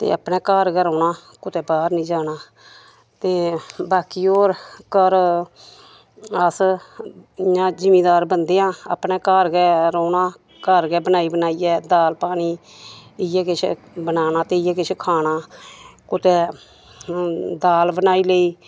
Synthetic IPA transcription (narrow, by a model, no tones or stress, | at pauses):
t̪ḛːəpnɛ̃ːkaːɾɡɛːɾoːnaːkʊt̪ɛːbaːɾnĩːd͡ʒaːnaː | t̪eːbaːkiːoːɾkəɾ | əs | jãːd͡ʒɪmiːd̪aːɾbənd̪eːãːə̰pnɛːkaːɾɡɛːɾoːnaː | kəɾɡɛːbənaːiːbənaːiːɛːd̪aːlpaːniː | ɪjɛːkɪt͡ʃʰ | bənaːnaːt̪eːɪjɛːkɪt͡ʃʰkʰaːnaːkʊt̪ɛː | d̪aːlbənaːiːleiː